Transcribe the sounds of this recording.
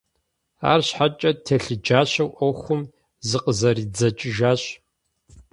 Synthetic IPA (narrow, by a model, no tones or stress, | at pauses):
a̰ːrɕħat͡ʃʼɐtʰɐɬɨd͡ʒaːɕɐwʔɔxʷʊm | zɨqʼəzɐriːd͡zɐt͡ʃʼɪʒaːɕ